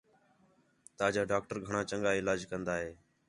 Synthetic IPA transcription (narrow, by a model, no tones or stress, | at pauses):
t̪aːd͡ʒaːɖaːk̚ʈəɾɡʱəɳãːt͡ʃəŋɡaːɪlaːd͡ʒkənd̪aːɦeː